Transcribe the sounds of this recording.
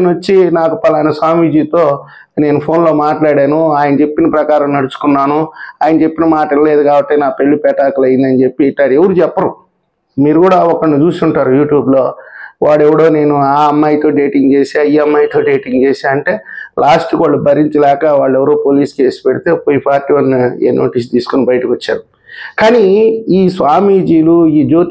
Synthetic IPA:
nɐt͡ʃːinaːkupɐlajnɐsaːmʋid͡ʒiːt̪o̞ː | ne̞ːnupʰo̞ːnlo̞ːmaːʈlaːɽeːnuaːjɐnɐt͡ʃe̞pːinɐpɾɐkaːɾɐmnɐɽut͡ʃu̥kunːaːnuaːjɐnɐt͡ʃe̞pːinɐmaːʈɐnle̞ːd̪ukaːbɐʈːenaːpeɭːipɛːʈaːkulɐjind̪ɐnit͡ʃe̞pːiʈːaːɾeʋɐɾut͡ʃɛpːɐɾu | miːɾuɡuːɽaːɔkːɐɭnit͡ʃuːsiuɳʈaːɾujuːʈjuːbloːʋaːɽɛʋɐɽo̞ːne̞ːnuaːɐmːɐjt̪o̞ːɖeːʈiŋɡt͡ʃe̞ːsaːjiɐmːɐjt̪o̞ːɖeːʈiŋɡt͡ʃe̞ːsaːɾɐɳʈe̞ːlaːsʈukʋaːɭːubʱɐɾiɲt͡ʃilɛːkɐʋaːɭːɛʋɐɾoːpoːliːske̞ːsi̥peɽit̪e̞ːpojipʰaːɾʈiːʋɐnːeːnʔo̞̰ːʈiːs̬t̪iːsu̥kunibɐjʈikot͡ʃːa̰ːɾu | kaːniiːsʋaːmiːd͡ʒiːluiːd͡ʒoːt̪

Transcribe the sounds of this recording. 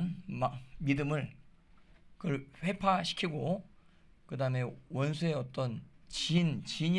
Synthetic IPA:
nmamidɯmɯɭ | kɯɭɸe̞pʰaɕʰi̥kʰiɡo | kɯdame̞wʌnsʰue̞ʌt̚t͈ʌnt͡ɕint͡ɕiɲi

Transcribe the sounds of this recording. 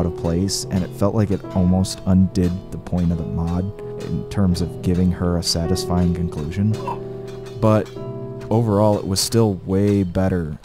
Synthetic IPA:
ʊɾəv̥pʰl̥eɪsɨ̃ñɨtfɛlˠʔlaɪkɨɾɔlˠmoʊstʌ̃ndɪd̪̚ðəpʰɔ̃ɪ̃ñʌvðəmɑd̚ | ɪ̰̃ntʰɜ̃˞mzʌvɡɪvɪ̃ŋə˞ɨsæɾɨsfaɪɪ̃ŋkʰɨ̃n̩kʰl̥ʉʒɨ̃n | b̥ʌɾ | oʊvə˞ɔlˠɪ̰ʔwʔʌz̥stɪlˠweɪbɛɾə˞

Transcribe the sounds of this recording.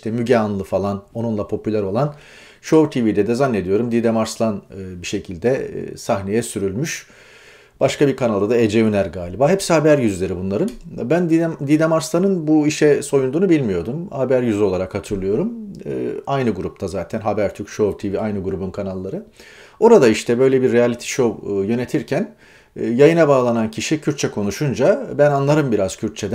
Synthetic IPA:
ʃt̪ɛmyɟɛanlˠɯfalˠano̞nunlˠapʰo̞pʰylʲæɾo̞lˠan | ʃovt̪ʰivid̪ɛd̪ɛzanːe̞d̪ijo̞ɾumd̪id̪emaɾslˠanɯbiʃe̞cʰilʲd̪ɛ̰sahne̞jɛsyɾylʲmyʃ | b̥aʃkabiɾkʰanalˠd̪ad̪aed͡ʒejønæɾɡaːlʲibaːɦɛpsihabæɾjyzlʲe̞ɾibunlˠaɾɯnbænd̪d̪id̪ɛmaɾslˠanɯnbuiʃɛso̞jund̪uːnubilʲmijo̞d̪umhabæɾjyzyo̞lˠaɾakhat̪ʰɯɾlˠɯjo̞ɾumː | ajnɯɡuɾup̚t̪ʰazaːt̪ʰænɦabæɾt̪ʰykʃovt̪ʰiviajnɯɡuɾubunkʰanalˠːaɾɯ | o̞ɾad̪aiʃt̪ʰɛbø̞jlʲebiɾːejalʲit̪ʰi̥ʃo̞wjø̞ne̞t̪ʰiɾcʰænː | jajɯnabaːlˠanancʰiʃicʰyɾt̪̚t͡ʃʰɛkʰo̞nuʃund͡ʒabænanlˠaɾɯmbiɾaz̥cʰyɾt̪̚t͡ʃʰed̪

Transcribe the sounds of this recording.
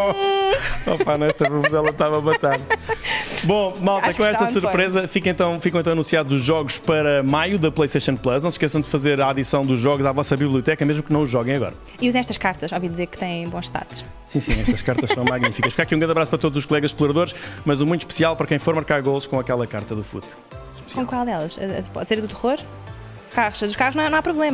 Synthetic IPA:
ɔpanɐ̃ɛʃt̪ɐvuvuzɛlˠɐt̪avɐmɐt̪að | bõmalˠtaɐkkõɛʃt̪ɐssuɾpɾezɐfikẽnt̪ɐ̃w̃fikɐ̃w̃ẽt̪ɐ̃ɐñsiaðuzuʒːɔɣuʃpɐɾɐmajuðɐplˠɐjʃt̪ɐjʃɐ̃nplˠɐʃnɐ̃w̃sʃkɛsɐ̃w̃d̪ɨfɐzeɾɐaðisɐ̃w̃d̪uʒːɔɣuzavɔsɐβiβlˠiut̪ɛkɐmeʒmuknɐ̃w̃uʒɔɣɐ̃j̃ɐɣɔ̰ɾɐ | iuz̃ɛʃt̪ɐʃkaɾt̪ɐʃɔvĩd̪izeɾkt̪ɐ̃jẽbõʃt̪a̰ðu̥ʃ | sĩsĩɛ̰ʃt̪ɐʃkaɾt̪ɐʃsɐ̃w̃maɣnifikɐʃfi̥kakiũɡɾɐ̃nd̪ɐβɾaspɐɾɐt̪od̪zuʃkulˠɛɣɐzʃplˠuɾɐðoɾʃmɐzumũj̃t̪uʃpɨ̥sialˠpɐɾɐkɐ̃j̃foɾmɐɾkaɾɣolˠʃkõɐkɛlˠɐkaɾt̪ɐðufṵt̪ | kõkwalˠd̪ɛlˠɐʃɐpɔ̰ðseɾðut̪ɨʁoɾ | kaʁuʃd̪uʃkaʁunɐ̃w̃ñw̃apɾuβlˠemɐ

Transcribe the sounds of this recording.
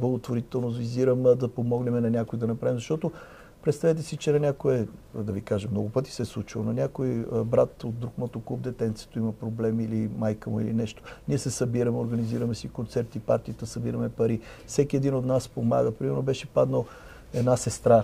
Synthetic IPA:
blˠɐɡot̪voɾit̪ɛlˠnozviziɾəmd̪ɐpomɔɡnɛmɛnɐnʲakoid̪ɐnɐpɾavʲimzɐʃt̪ɔt̪o | pɾɛt̪st̪ɐvɛt̪̬ɛsit͡ʃɛnɐnʲakoɛd̪ɐvikaʒɛmnɔɡʊpɤt̪i̥sɛslˠut͡ʃilˠnɐnʲakoibɾat̪od̪̚d̪ɾukmət̪okub̚d̪ɛt̪ɛnt̪sɛ̥t̪oimɐpɾoblɛmiilimajkəmʊḭlḭnɛʃt̪o̥niɛsɛsɐbiɾɐmɛoɾɡɐniziɾəmɛsɛikont̪sɛɾt̪ipa̰ɾt̪iət̪əsɐbiɾəmɛpɐɾi | fsɛkiɛd̪inot̪naspoma̰ɡəpɾimɛɾnobɛʃɛpad̪nəlˠ | ɛd̪nasɛst̪ɾa

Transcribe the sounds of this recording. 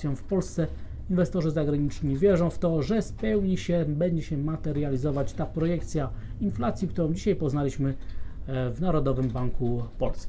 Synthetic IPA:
jɔ̃w̃fpɔlst̪sɛ | invɛst̪ɔʐɘzaɡɾaɲit͡ʂɲivʲjɛʐɔ̃w̃ft̪ɔʐɛspɛwɲiɕɛbɛɲd͡ʑɛɕɛmat̪ɛɾjalʲizɔvat͡ɕt̪apɾɔjɛkt̪sʲja | inflat̪sʲjikt̪uɾɔ̃w̃d͡ʑiɕajpɔznalʲiɕmɘ | vnaɾɔd̪ɔvɘmbaŋkupɔlskʲ

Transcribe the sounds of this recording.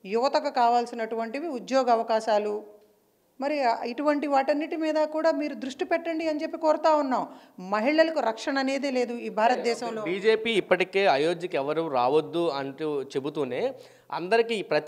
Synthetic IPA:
juʋɐt̪ɐkɐkaːʋaːlsinɐʈuʋɐɳʈiʋiud̪joːɡɐʋɐkaːʃaːlu | mɐɾiiʈuʋɐɳʈiʋaːʈɐnːiʈimiːd̪ɐkuːɽaːmiːɾud̪ɾuʂʈipɛʈːɐɳɖiɐɲt͡ʃe̞pːikoːɾɐt̪aːunːaːmmɐɦiɭɐlɐkuɾɐkʂɐɳɐne̞ːd̪eːleːd̪uiːbʱaːɾɐt̪̚d̪ɛːʃɐmloːbiːd͡ʒeːpiːipːɐʈike̞ːɐjoːd͡ʒɐkɛʋɐɾuɾaːʋod̪ːuɐɳʈut͡ʃebut̪uːne̞ː | ɐ̰nd̪ɐɾikipɾɐt̪

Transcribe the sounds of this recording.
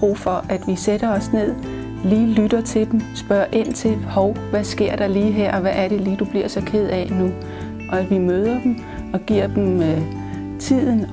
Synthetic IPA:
ʁṵːfɒ̽ʔæd̥ʋiseɾ̥ɐɒ̽sne̝ð̞̰ˠ | liːlyd̥ɐt͡sʰe̝d̥emsb̥ɶɐ̰ʔe̝n̰t͡sʰe̝lhɒʊʋæsɡ̥e̝ɐ̰d̥ɑ̈liːɦeɐ̰ɒ̽ʋæʔæɐɾe̝liːd̥ub̥liɐ̰sɒ̽kʰe̝ð̰ˠɛnu | ʔɒ̽æ̥ʋimøːð̞ˠɐd̥em | ɒ̽ɡ̥iɐ̰d̥em | t͡sʰið̰ˠn̩

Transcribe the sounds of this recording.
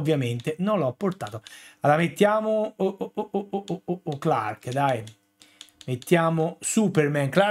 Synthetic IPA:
vːjament̪enõnlɔpːoɾt̪aːt̪oalaamet̪ːjaːmo | okla̰ɾkd̪aj | met̪ːjaːmosupeɾmɛŋkla

